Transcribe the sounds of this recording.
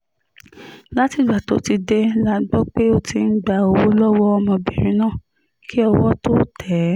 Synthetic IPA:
la˦ti˨ɡ͡ba˨to˨˦ti˧de˧˦la˦ɡ͡bɔ˦k͡pe˦o˦ti˧n̩˦ɡ͡ba˨o˧wo˦lɔ˦wɔ˦ɔ˧mɔ̃˧bɛ˨ɾ̃ĩ˧˦nãː˦˨ | ki˦ɔ˧wɔ˦to˦tʰɛ˨˦

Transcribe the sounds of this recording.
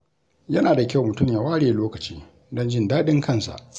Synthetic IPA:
jɐ˦naː˨da˨kʲa˦˨wmʊ˨tʊ˦˨mjaː˨waː˦ɽeː˨loː˦kɐ˨t͡ʃḭː˦ | dɔ˦nd͡ʒɪ˦ndaː˦ɗɪ˦ŋkʰɐ˦˨nsa̰˨ʔ

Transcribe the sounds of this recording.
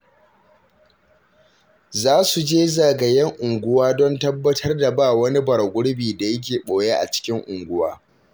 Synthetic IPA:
zaː˦su˨d͡ʒeː˦zaː˨ɡɐ˨jɐ˦ŋʔʊ˨ŋɡʷʊ˦waː˦dɔ˦ntɐ˦bːɐ˦tʰɐ˦rda˨baː˦˨wɐ˦ni˦bɐ˨ɽɡʷʊ˦ɽbiː˨da˨jɐ˦k̬ʲeː˨ɓoː˨je˦ʔa̰˨t͡ʃɪ̥˦kʲɪ˦ŋʔʊ˨ŋɡʷʊ˦waː˦

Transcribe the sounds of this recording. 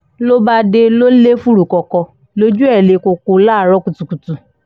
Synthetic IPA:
lo˦ba˧de˧lo˦le˦fu˦ɾu˨kɔ˨˧kɔ˧ | lo˦d͡ʒu˦ɛ˦˨le˧ko˧ko˧la˦˨ɾɔ˨˦ku˨tu˨ku˨tu˨

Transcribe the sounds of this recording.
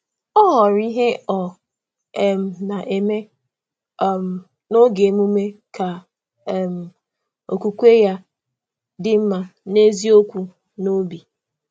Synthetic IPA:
ɔ˦ɣɔ˨ɾi˦ɦe˦ɔ˨ | ɛ˨m̩˨na˨ʔe˨me˦˨ | m̩˨ | no˦ɡe˨m˦u˦me˦ka˨ | m̩˨ | o̰˨kʷu˨kʷe˦ja˦ | dɪ˦m̩˦ma˦ne˦zi˦o˦kʷu˨ | no˦bi˨

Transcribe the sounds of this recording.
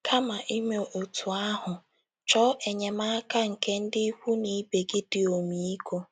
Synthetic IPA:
kʰa˦ma˨ʔi˦me˨o˨tʰu˨a˦ɦʊ˨ | t͡ʃɔ˦ʔe˨ɲe˨ma˦a˦ka˦ŋ̩˨ke˦n̩˦dɪ˦i˦kʷu˦ni˨˦be˨ɡɪ˦dɪ˨o˨mi˨i˦ko˦

